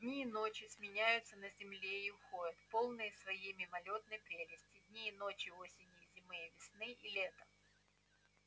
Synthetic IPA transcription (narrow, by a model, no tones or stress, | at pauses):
dʲnʲiːnot͡ɕɪsʲmʲɪnʲæjʊt̪sənəzʲɪmlʲeiʊxo̞jʲət̪po̞lˠnɨjəsvɐjejmʲɪmɐlʲo̞t̪nəjpɾʲelʲɪsʲtʲɪd̪ʲnʲiːno̞t͡ɕɪosʲɪnʲɪzʲɪmɨjəvʲɪsnɨʔilʲet̪ə